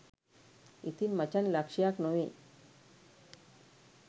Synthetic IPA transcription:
it̪inmat͡ɕanlakʃijaknowe

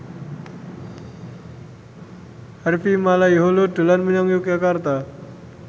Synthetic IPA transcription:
harfimalaiɦolod̪̥ṳlanməɲaŋjukakart̪a

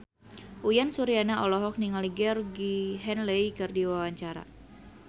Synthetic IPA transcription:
ʔujansuɾianaʔɔlɔɦɔk̚niŋaliɡɛrɡiɦɛnlejkɨrdiwawaɲt͡ʃaɾa̰

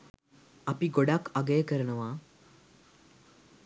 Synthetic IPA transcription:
apiɡoɽakaɡejkəɾnəʋa

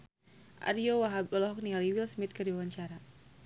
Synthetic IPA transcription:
ʔa̰ɾiowaɦabɔlɔɦɔk̚nialiwilsmit̪̚kərdiwawaɲt͡ʃaɾa

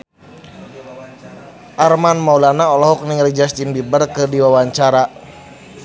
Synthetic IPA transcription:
ʔarmanmaulanaɔlɔɦɔk̚niŋəlid͡ʒastimbibərkɨdiwawaɲt͡ʃaɾa

